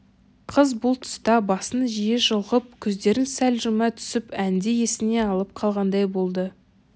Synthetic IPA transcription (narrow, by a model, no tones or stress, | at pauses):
qʰəzbʊlˠt̪ʰʊ̥st̪ɑbɑsənʒijeʒəlˠʁəp̚kʲʰɵzd̪e̞ɾɪnsælʒʏmɑt̪ʰʏ̥sɪpænd̪eje̞sɪne̞ɑlˠəp̚qʰɑlˠʁɑnd̪ɑjbo̞lˠd̪ə